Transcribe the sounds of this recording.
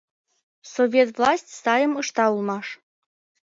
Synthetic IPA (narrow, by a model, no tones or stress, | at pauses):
sovʲet̪vlˠɑsʲtʲsɑjə̆mɤʃt̪ɑulˠmɑʃ